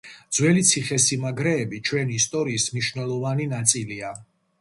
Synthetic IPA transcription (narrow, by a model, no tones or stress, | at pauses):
d̪zwɛlit̪sʰiχɛsimaɡɾɛːbit͡ʃʰwɛniːst̪ʼɔɾiːsmniʃvnɛlˠɔvaninat̪sʼilia